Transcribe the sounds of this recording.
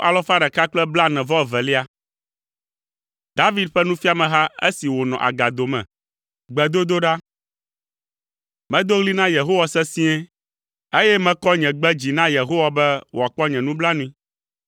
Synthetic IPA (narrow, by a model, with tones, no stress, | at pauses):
ʔa˨lɔ˦fa˦ɖɛ˨ka˦k͡plɛ˦bla˦nɛ̃˨vɔ˦˨vɛ˨li˦a˦ | d̪a˦vi˦d̪̚ɸɛ˦nũ˦fi˦a˨mɛ̃˨ɦa˦ḛ˦si˨wo˨nɔ̰̃˨ʔa̰˨ɡa˨d̪o˨mɛ̰̃˨ | ɡ͡bɛ˨d̪o˦d̪o˦ɖa˦ | mɛ̃˦d̪o˦ɣli˦nã˦je˨ɦo˦wa˨sɛ˦sĩ˦ɛ˦ | e˦jɛ˦mɛ̃˦kɔ˦ɲɛ̃˨ɡ͡bɛ˦d͡ʑi˨nã˦je˨ɦo˦wa˨bɛ˦wo˨a˨k͡pɔ˦ɲɛ̃˨nũ˦bla˦nũ˦i˦